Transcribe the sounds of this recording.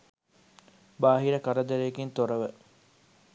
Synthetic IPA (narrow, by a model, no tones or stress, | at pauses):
baːɦiɾɐkɐɾɐd̪eɾeɡint̪oɾɐʋə